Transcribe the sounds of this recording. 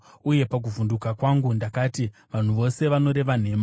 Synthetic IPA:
uje̞pak̬uvundukakwaŋɡundakaːtiʋan̤uʋo̞se̞ʋano̞ɾe̞ʋan̤e̞ːma

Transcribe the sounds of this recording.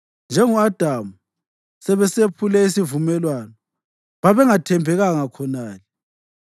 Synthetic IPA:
nd͡ʒʱɛŋuad̥ʱamu | sɛβɛsepʰulɛisivumɛlwanɔ | βaβɛŋatʰɛmpɛɣaŋakʰɔnaːlɛ

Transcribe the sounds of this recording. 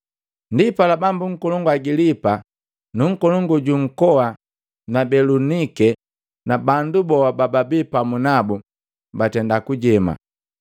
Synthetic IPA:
ndipalabambuŋ̩kɔlɔŋɡaɡilipa | nuŋ̩kɔlɔŋɡɔɟuŋ̩kɔwa | nabɛlunikɛ | nabandubɔabababipamunabu | batɛndakuɟɛma̰

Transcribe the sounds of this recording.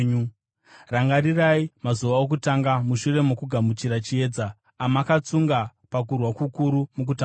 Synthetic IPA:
ɲu | raŋɡaɾiraimazuʋaok̬utaŋɡamuʃure̞mokuɡʱamut͡ʃiɾat͡ʃie̞ːd͡zaː | makat͡suŋɡapak̬urwakukuɾumuk̬uta

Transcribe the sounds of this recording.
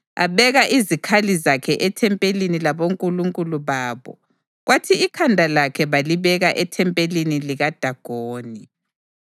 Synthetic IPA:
a̰βɛɣaʔizikʰalizakʰɛʔɛtʰɛmpʼelinilaβoŋkʼuluŋkʼuluβaːβɔ̰ | ɣwatʰiːkʰandʱalakʰɛβaliβɛɣaʔɛtʰɛmpʼeliniliɣad̥ʱaɡ̥ʱoːni

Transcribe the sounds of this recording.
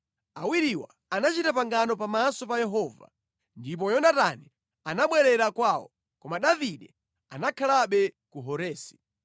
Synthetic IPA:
awiɾiwa̰ | anat͡ʃitapaŋɡanɔpamasɔpajɛɦɔːva̰ | ndip̬ɔjɔnatani | anaɓwɛɾɛɾakwawɔ̰ | kɔmaɗaviɗɛ | a̰nakʰalaɓɛkuɦɔɾɛːsi̥

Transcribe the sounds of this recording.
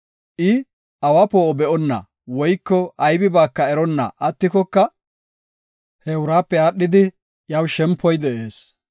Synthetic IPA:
ʔɪ | ɐwapoːɔbɛʔɔnːɐ̰ | wɔjkːɔʔɐjbɪbaːkːɐɛɾɔnːɐ̰ʔɐt̪ːɪkɔkːɐ | hɛʊɾaːpːɛaːɗːɪd̪ɪ | jɐwʃɛmpːɔjd̪ɛʔeːs

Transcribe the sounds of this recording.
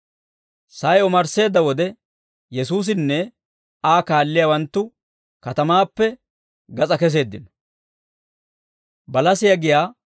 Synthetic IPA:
sɐjɔmɐɾse̞ːd̪ːɐwɔd̪ɛ | jɛsuːs̬ɪnːɛ | aːkaːlːɪjawɐnt̪ːʊ | kɐt̪ɐmaːpːɛ | ɡɐt͡sʼɐkɛs̬e̞ːd̪ːɪn | bɐlɐsɪjɐɡɪjaː

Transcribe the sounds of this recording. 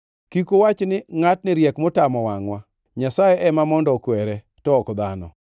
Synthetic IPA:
kikowat͡ʃnɪŋatnɪɾjɛkmotamɔwaŋwa | ɲasajɛʔɛmamɔndɔkwɛɾɛ | tɔːkd̪anɔ̰

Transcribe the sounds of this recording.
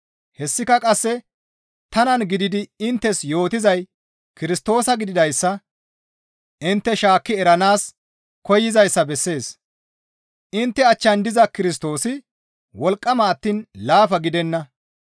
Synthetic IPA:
hɛsːɪkɐkʼɐsːɛ | t̪ɐnɐnɡɪd̪ɪd̪ɪɪnt̪ːɛsjo̞ːt̪ɪzɐj | kɪɾɪst̪o̞ːsɐɡɪd̪ɪd̪ɐjsːɐ | ʔɪnt̪ːɛʃaːkːɪɛɾɐnaːs | kɔjːɪzɐjsːɐbɛsːe̞ːs | ʔɪnt̪ːɛɐt͡ʃːɐnd̪ɪzɐkɪɾɪs̬t̪o̞ːsɪ | wɔlkʼːɐmɐːt̪ːiːnlaːfɐɡɪd̪ɛnːɐ

